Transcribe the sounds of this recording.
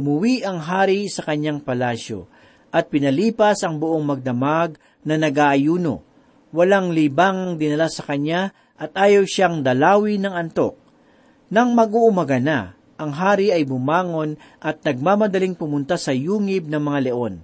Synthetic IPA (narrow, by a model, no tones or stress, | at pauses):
ʊmʊwiʔɐŋɦaːɾisɐkɐɲaŋpɐlaːʃo̞̰ | ʔɐt̪̚pɪnɐliːpɐsɐŋbʊʔoŋmɐɡ̚d̪ɐmaɡ̚ | nɐnɐɡaʔɐjuːno̞̰ | wɐlaŋlibaːŋɐŋd̪ɪnɐlasɐkɐɲa | ʔɐt̪̚ʔaːjɐwʃaŋd̪ɐlaːwinɐŋɐnt̪o̞k̚ | nɐŋmɐɡuʔʊmɐɡɐna | ʔɐŋɦaːɾiʔɐjbʊmaːŋo̞n | ʔɐt̪̚nɐɡ̚mamɐd̪ɐliŋpʊmʊnt̪asɐjuːŋɪb̚nɐŋmɐŋalɛʔo̞n